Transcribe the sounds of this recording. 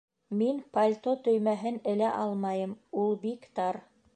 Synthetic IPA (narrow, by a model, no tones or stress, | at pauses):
minpɐlʲt̪ot̪ɵ̆jmæɦɘnɘ̆læʔɑlˠmɑjɤmulˠbikt̪ɑɾ